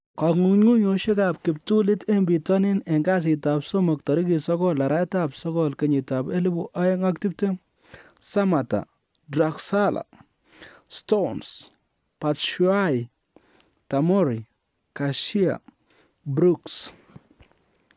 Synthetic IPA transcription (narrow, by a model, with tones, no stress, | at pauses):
ka˨ŋu˨ɲŋu˦ɲo˨ʃe˦kap̚kɪ˨p̚tu˦lɪ˦te˦mbi˨tɔ˦ni˦ne˨ŋɡa˦s̬ɪ˨tapso˦mɔ˨k̚tɔ˨ɾi˦ki˨sɔ˦kɔla˨ɾa˦ta˦psɔ˦kɔ˦lke˨ɲɪ˨ta˨be˦li˦bu˦ʔa˦e˦ŋa˦k̚ti˦p̚te˦ | sa˦ma˨ta̰˨ | dɾa˨ksalʔa̰˨ | stons | pa˨tʃwa˦i | ta˨mɔ˦ɾi˨ | kaʃi˦a̰˨ | bɾu˦ks